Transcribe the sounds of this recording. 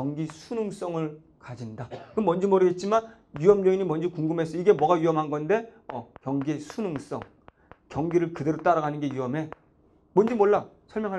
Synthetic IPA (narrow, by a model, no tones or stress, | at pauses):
ʌŋɡisʰunuŋs͈ʌŋɯɭ | kad͡ʑindakɯmʌnd͡ʑimʌɾɯɡe̞t̚t͡ɕ͈iman | juʌmɲʌiɲimʌnd͡ʑikuŋɡɯmɦe̞s͈ʌiɡe̞mwʌɡajɥuʌmɦanɡʌnde̞ | ʌkjʌŋɡisʰunuŋs͈ʌ̰ŋ | kjʌŋɡiɾɯɭkɯdeɾot͈aɾaɡanɯnɡe̞juʌmɦe̞ | mʌnd͡ʑimwoɭːasʰʌɭmjʌŋɦa